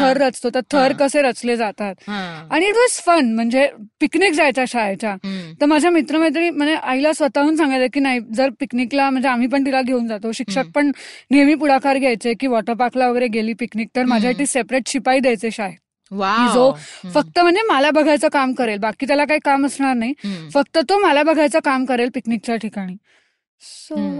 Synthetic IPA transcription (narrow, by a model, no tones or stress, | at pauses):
t̪ʰəɾːət͡st̪ot̪əɾt̪ʰəɾkəseɾət͡sled͡zat̪at̪aɽ̃iːʈʋɔzfənm̤əɳd͡zepiknikd͡zajt͡ɕaɕajt͡ɕat̪əɾmad͡ʑʱjamit̪ɾəmət̪̬əim̤əɳd͡zeʔaɦilasʋət̪aɦuːnsãŋɡajt̪əkiːnaɦid͡zəɾpikniklam̤əɳd͡zeam̤iːp̬əɳt̪̬ilaɡʱeuːnd͡zat̪oɕikʂək̚pəɳneʋiːpuɽakʰaɾɡʱjajt͡sekiːʋɔʈəɾpakʰlaʋəɡəjɾeɡeliːpikniːk̚t̪əɾmad͡ʑʱjaʈiːsepɾeʈɕipaiːd̪jajt͡seɕaɦe | ʋaid͡zofək̚t̪əm̤əɳd͡zemalabəɡʱajt͡səkamkəɾelbakiːt̪jalakaɦiːkaməsɳaɾnaɦifək̚t̪ət̪omalabəɡʱajt͡səkamkəɾelpiknik̚t͡ɕaʈʰikaɽ̃iː | so